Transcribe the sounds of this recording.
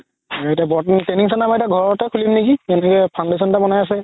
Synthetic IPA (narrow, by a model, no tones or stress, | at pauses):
aetabɔtnteniŋsɔnamaɛtaɡʱɔɹɔtɛkʰulimnekiɛnɛkɔjpʰawndesɔntabɔnajas̬ɛ